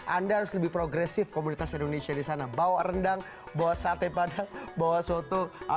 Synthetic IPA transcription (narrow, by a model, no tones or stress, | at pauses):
ʔandaɦaɾʊsləbɪhpɾoɡɾɛsɪfkomunit̪asindonesiadisanabawarəndaŋ | bawasat̪epadaŋbawasuat̪u